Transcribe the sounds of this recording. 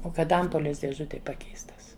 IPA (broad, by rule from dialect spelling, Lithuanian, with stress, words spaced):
ˈoː ˈkɐt ˈɐmpoːlʲeːs dʲeːˈʒʊtʲeːj ˈpɑːkʲɛɪstɐs